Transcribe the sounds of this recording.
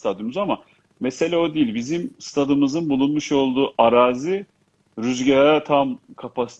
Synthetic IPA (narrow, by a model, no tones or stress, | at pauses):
t̪ʰad̪ɯmyzama | mese̞lʲæo̞d̪eijilʲbizimst̪ʰad̪ɯmɯzɯnbulˠunmuʃo̞lˠd̪uːʔaɾaːzɯ | ɾyzɟaɾaɾat̪ʰamkʰapʰasi̥t